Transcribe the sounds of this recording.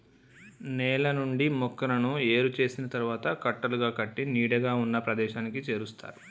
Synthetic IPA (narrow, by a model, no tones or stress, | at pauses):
nɛːlɐnuɳɖimɔkːɐɾɐnue̞ːɾut͡ʃe̞ːsinɐt̪ɐɾuʋaːt̪ɐkɐʈːɐluɡaːkɐʈːiniːɽɐɡaːunːɐpɾɐd̪ɛːʃaːnikit͡ʃeːɾust̪ʰa̰ːɾu